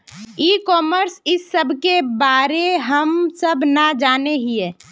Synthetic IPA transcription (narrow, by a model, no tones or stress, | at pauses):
iːkɔːməɾsɪsːəbʱkebaːɾeɦəmsəbʱnad͡ʒaːneɦiɛː